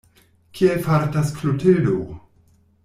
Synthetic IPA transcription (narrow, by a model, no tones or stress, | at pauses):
kʰiefaɾtasklotʰedo